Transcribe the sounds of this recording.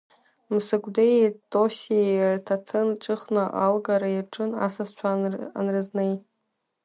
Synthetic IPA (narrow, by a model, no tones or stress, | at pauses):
mɨsɨkʷʼdejtʼosertʰatʰɨnʈ͡ʂʼɨχnaʔalɡaɾaiʈ͡ʂʼɨna̰sazt͡ʃʷʰaa̰nrɨznej